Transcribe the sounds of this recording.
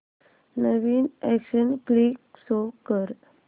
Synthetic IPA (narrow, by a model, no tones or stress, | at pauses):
nəʋiːnɛkɕənkliːksokəɾ